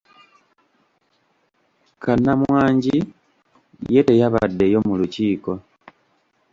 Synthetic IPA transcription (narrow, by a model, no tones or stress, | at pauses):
kanːamwaːɲɟi | jetejaβadːejo̞muluciːko̞